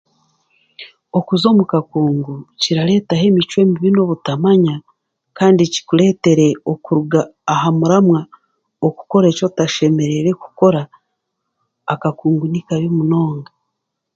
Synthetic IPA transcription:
o̞kuzo̞ːmukakuːŋɡuciɾale̞ːtaɦe̞ːmit͡ʃwe̞ːmiβino̞βutamaɲa | kaːndici̥kule̞ːte̞ɾe̞okuɾuɡaːɦamuɾamwa | oku̥ko̞ɾe̞ːco̞taʃe̞me̞ɾe̞ɾe̞ku̥ko̞ɾa | kakuːŋɡunikaβjomuno̞ːŋɡa

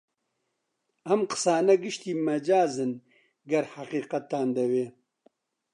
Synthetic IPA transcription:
ɐmqə̥saːnɐɡɨʃt̪iːmɐd͡ʒaːzɨn | ɡɐɾhaqiːqɐt̪ːaːnd̪ɐweː

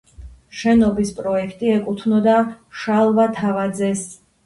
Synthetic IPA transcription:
ʃɛnɔbispʼɾɔɛkʰt̪ʼiɛkʼut̪ʰnɔd̪a | ʃalˠvat̪ʰavad̪zɛs

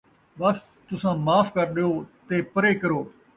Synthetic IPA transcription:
ɓəs | t̪ʊsãːmaːfkəɾɗɪjoːt̪eːpəɾeːkəɾoː

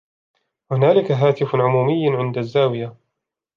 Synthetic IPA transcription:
hʊnaːlɪkaɦaːt̪ɪfʕʊmuːmɪjːʕɪnd̪azːaːwɪja

